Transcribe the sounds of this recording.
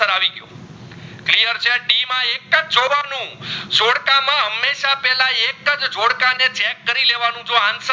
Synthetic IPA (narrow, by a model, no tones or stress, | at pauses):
əɾaʋiɡjṵ̃ | klijəɾt͡ʃʰeɖimãekəd͡ʒd͡ʒoʋanũd͡ʒoɽkamãɦəmːeʃapɛlãekəd͡ʒd͡ʒoɽkanet͡ʃɛkːəɾileʋanũd͡ʒoansə